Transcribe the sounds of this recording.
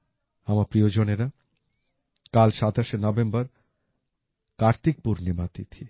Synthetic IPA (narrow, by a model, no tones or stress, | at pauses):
amapɾiod͡ʑoneɾa | kalʃat̪aʃenɔbembɔɾ | kaɾt̪ik̚puɾnimat̪it̪ʰi